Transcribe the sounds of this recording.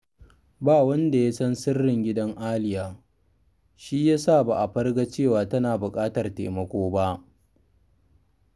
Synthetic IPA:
baː˦˨wɐ˦nda˨ja˦sɐ˦nsɪ˦rːɪ˨ŋɡʲɪ˦dɐ˦ŋʔaː˦lɪ˦jaː˨ | ʃi˦jaː˦saː˦˨baː˨ʔa˨ɸɐ˦rɡa˦t͡ʃeː˦˨waː˨tɐ˦naː˨bʊ˨kʼaː˦tɐ˨rtḛː˨mɐ˦kʷoː˦ba˦ʔ

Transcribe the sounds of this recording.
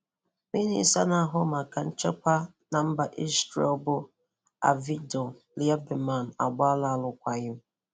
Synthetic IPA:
mi˦nḭ˦sa˦na˨˦˨ɦʊ˦ma˨ka˨n̩˦t͡ʃe˦kʷa˦ | na˨m̩˦ba˨ʔi˦stɾḛ˦˨˦bʊ˦ | a̰˨vi˦dɔ˨ | li˦a˦be˨ma˨n˨a̰˨ɡ͡ba˦la˨a˨lʊ˨kʷa˨ɣɪ˦m̩˦

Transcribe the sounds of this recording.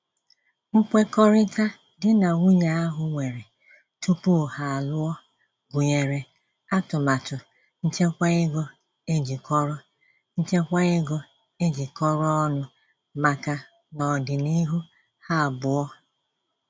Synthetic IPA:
ŋ̩˦kʷe˦kɔ˦ɾɪ˦ta˦ | dɪ˦na˨wu˦ɲa˨a˦ɦʊ˨ŋʷe˨ɾe˨ | tu˦pu˦˨ha˨a˨lʊ˦ɔ˦ | ɡʊ˨ɲe˨ɾe˨ | a˦tʊ˨ma˨tʊ˨ | n̩˦t͡ʃe˦kʷa˦ɪ˦ɡo˦ | e˦d͡ʒi˨kɔ˦ɾɔ˦ | n̩˦t͡ʃe˦kʷa˦ɪ˦ɡo˦ | e˦d͡ʒi˨kɔ˦ɾɔ˦ɔ˦nʊ˦ | ma˨ka˨ | nɔ˨dɪ˨ni˦ɦu˦ | ha˦˨bʊ˨ɔ˦

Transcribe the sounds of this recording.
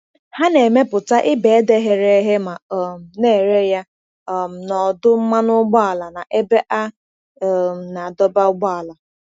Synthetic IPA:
ha˦ne˨me˦pʊ˨ta˦ʔɪ˦be˨e˦de˦ɦe˨ɾe˦ɦe˦ma˨m̩˨ne˦˨ɾe˦ja˦˨ | m̩˨nɔ˨dʊ˦m̩˦ma˦nʊ˦ɡ͡bɔ˦a˨la˨na˨ʔe˦be˦ʔa˦˨ | na˨a˨dɔ˦ba˦ʊ˦ɡ͡bɔ˦a˨la˨

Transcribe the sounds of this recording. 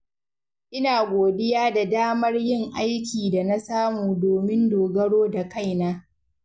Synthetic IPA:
ʔɪ˦naː˨ɡʷoː˨dɪ˦jaː˦da˨daː˦mɐ˦rjɪ˦˨ŋʔa˦jkʲiː˨da˨na˦saː˦muː˨doː˨mɪ˦ndoː˨ɡɐ˦ɽoː˦da˨ka˦˨jnaː˦

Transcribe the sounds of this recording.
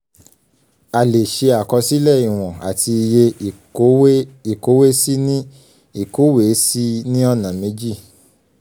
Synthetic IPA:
a˨le˨ʃe˧a˨kɔ˧si˦lɛ˦˨i˨w̃ɔ̃˨a˨tʰi˧je˧˨˦ | i˨ko˨˦we˦si˦nĩ˦ | i˦˨ko˨˦we˨˦si˦nĩ˦ɔ˧nã˨mẽ˨˦d͡ʒi˦˨

